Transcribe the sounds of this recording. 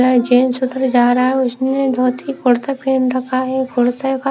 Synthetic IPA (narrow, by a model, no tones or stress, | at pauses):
əd͡ʒeːnsʊt̪ɾd͡ʒaːɾaɛʊsned̪ʱɔːt̪ikʊɽt̪apɾeːnɾɐkʰaɦɛkʰʊɽt̪aka